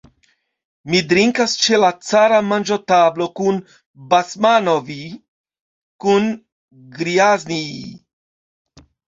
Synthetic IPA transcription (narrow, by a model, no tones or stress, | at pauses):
mid̪ɾiŋkast͡ʃelat͡saɾamand͡ʒot̪ablo̞kun | basmanovi | kun | ɡɾiazni